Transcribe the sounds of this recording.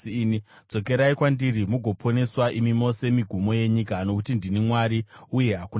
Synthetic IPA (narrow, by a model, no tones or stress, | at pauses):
nid͡zo̞ke̞ɾaikwandiɾimuɡʱo̞pʰo̞ne̞swaʔimimo̞se̞miɡʱumo̞je̞ɲikano̞kutindinimwaɾiuje̞ɦaku